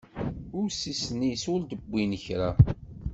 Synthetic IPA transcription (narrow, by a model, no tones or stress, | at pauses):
ʊɾsisnisʊɾd̪əbʷːinəçɾa̰